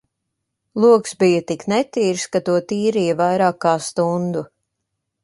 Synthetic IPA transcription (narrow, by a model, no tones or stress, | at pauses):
lˠuɔksbijət̪iknɛt̪iːɾskat̪uɔt̪iːɾijɐvajɾaːkːaːst̪und̪u